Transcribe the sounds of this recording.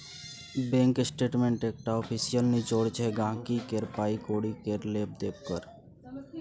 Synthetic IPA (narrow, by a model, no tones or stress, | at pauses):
bẽŋkɪsʈeːʈmẽːɳʈeːk̚ʈaɔːpʰisijəlnit͡ʃoːɽt͡ʃʰeɡãːkikeɾpaːikoːɽikeɾleːp̚d̪eːp̚kəɾ